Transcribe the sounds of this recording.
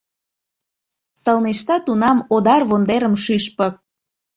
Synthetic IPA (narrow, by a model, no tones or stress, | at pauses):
səlneʃt̪ɑt̪unɑmod̪ɑrβond̪eɾəmʃyʃpə̆k̚